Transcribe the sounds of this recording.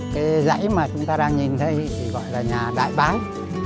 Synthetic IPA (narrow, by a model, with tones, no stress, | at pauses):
kaː˨˦jza̰˧˥jmaː˨˩t͡ɕʊ˨˦ŋ͡mt̪aː˧ɗaː˧ŋɲi˨˩nt̪ʰə˨˧˦jt̪ʰi˨˩ɣɔ̰˧˨jlaː˨˩ɲaː˨˩ɗa̰ː˧˨jɓaː˨˦j